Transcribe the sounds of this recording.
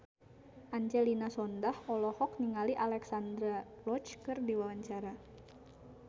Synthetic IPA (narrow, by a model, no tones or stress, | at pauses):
ʔaɲd͡ʒɛlinasɔndahɔlɔhɔk̚niŋaliʔalɛksand̪ɾalɔt͡ʃkɨrdiwawaɲt͡ʃaɾa